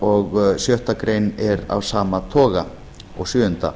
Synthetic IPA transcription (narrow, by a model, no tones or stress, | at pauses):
ɔɣsjœht̪akɾeːjnɛɾa̰vsaːmat̪ʰɔːɣa | ɔɣsjʏːʏnt̪a̰